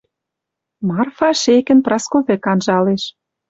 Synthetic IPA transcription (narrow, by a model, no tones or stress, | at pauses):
mɑrfɑʃekɘ̆nprɑskoβĕkɑnʒɑleʃ